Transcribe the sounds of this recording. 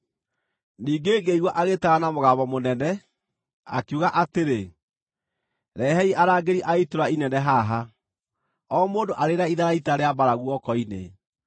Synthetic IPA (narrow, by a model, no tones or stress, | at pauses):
niːɡeːɡeiɣwaʔaɣetaɣanamoɣaːβɔmonɛnɛ | a̰kjuɣaʔateɾe | ɾɛɦɛiʔaɾaːɡeɾiʔaitoɾainɛnɛɦaɦa | ɔːmoːndoʔaɾeɾaiðaɾaitaɾeabaɾaɣwɔkɔinḛ